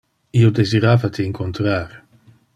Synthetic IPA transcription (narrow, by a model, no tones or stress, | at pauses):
iod̪eziɾaːvat̪əiŋkʰont̪ɾaːɾ